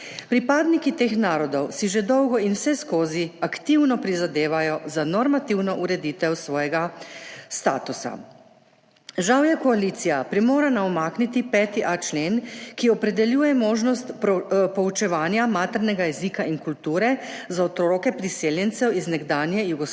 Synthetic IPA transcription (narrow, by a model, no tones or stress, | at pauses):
pɾipaːd̪nikit̪eːxnaːɾɔd̪ɔwsiʒed̪ɔwɡɔinwsɛskoːziakt̪iwnɔpɾizad̪eːʋajɔzanɔɾmat̪iwnɔʔuɾɛd̪iːt̪ɛwsʋɔːjɛɡast̪aːt̪usa̰ | ʒawjɛkɔalit̪sijapɾimoːɾanaɔmaːknit̪ipɛːt̪iʔat͡ʃleːnkiɔpɾɛd̪ɛljuːjɛmoːʒnɔst̪pɔut͡ʃɛʋaːnjamaːt̪ɛɾnɛɡajɛzikaʔinkult̪uːɾɛzaot̪ɾɾoːkɛpɾiseːljɛnt̪sɛwiznɛɡd̪aːnjɛjuɡɔ